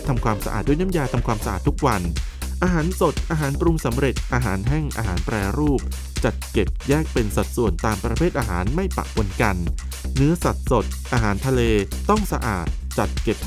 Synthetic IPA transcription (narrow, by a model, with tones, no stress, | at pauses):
t̪ʰa˧mkʰwaː˧msa˧ʔa̰ː˨˩t̪̚du˥˩˨jna˥˩jaː˧t̪ʰa˧mkʰwaː˧msa˧ʔa̰ː˨˩t̪ːʰu˦˥k̚wa˧nʔaː˧ɦaː˩˦nso˨˩t̪̚ʔaː˧ɦaː˩˦npɾu˧ŋsa˩˦mɾe˨˩t̪̚ʔaː˧ɦaː˩˦nɦɛ˥˩ŋʔa̰ː˧ɦaː˩˦npɾɛː˧ɾuː˥˩p̚ | t͡ɕa˨˩t̪̚ke˨˩p̚jɛː˥˩k̚pe˧nsa˨˩t̪̚su˨˩ənt̪aː˧mpɾa˧pʰeː˥˩ʔaː˧ɦaː˩˦nma˥˩jpa̰˨ʔpʰo˧nka˧nː | ɯ˦˥ɐsa˨˩t̪̚so˨˩t̪̚ʔaː˧ɦaː˩˦nt̪ʰa˧leː˧t̪ɔ˥˩ŋsa˧ʔa̰ː˨˩t̪̚t͡ɕa˨˩t̪̚ke˨˩p̚